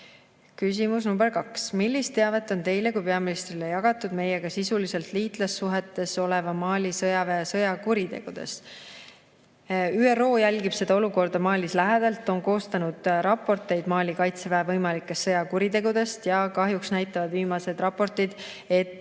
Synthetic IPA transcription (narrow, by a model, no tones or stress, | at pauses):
kys̬ʲimus̬numbrkɑksmilːist̪eɑve̞t̪ːˑo̞nt̪e̞jle̞kujpeɑminist̪rilejɑɡ̥ɑt̪ːˑud̪̥me̞jeɡ̥ɑsisulise̞lt̪liːt̪lɑsːuɦe̞t̪ːˑe̞so̞le̞vɑmɑːlʲisɤjɑveesɤjɑkuɾit̪e̞̰ɡ̥ud̪̥e̞̰st̪ | yːero̞ːjælʲɡib̥se̞d̪ɑo̞luko̞rd̪ɑmɑːlʲislæɦed̪̥ɑlt̪ːˑo̞nko̞ːst̪ɑnud̪̥ɾɑpːˑo̞rt̪ːˑe̞jd̪mɑːlʲikɑjt̪sevæevɤjmɑlikːˑe̞st̪ːɤjɑkuɾit̪e̞ɡud̪̥e̞st̪jɑkɑɦjuksnæjt̪ːˑɑvɑd̪viːmɑse̞d̪rɑpo̞rt̪id̪̥ | e̞t̪ːˑ